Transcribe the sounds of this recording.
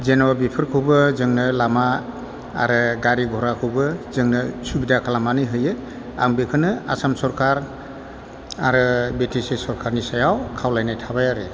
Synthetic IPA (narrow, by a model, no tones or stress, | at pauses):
zenɔwabipʰɯɾkʰɯwbɯzɯŋnɯlama | a̰ɾɯɡaɾiɡʱɔɾakʰɯwbɯzɯŋnɯsubidakʰalamanɯjɦɯjɯ | a̰ŋbekʰɯnɯa̰samsɔɾkʰaɾ | aɾɯbetʰisesɔɾkʰaɾnisajawkʰawlajnajtʰabajaɾe